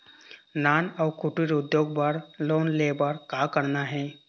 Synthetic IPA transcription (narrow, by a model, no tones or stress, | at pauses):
naːnɔːkʰʊʈiɾʊd̪joːɡ̚bəɾloːnlebəɾkaːkəɾnaɦɛː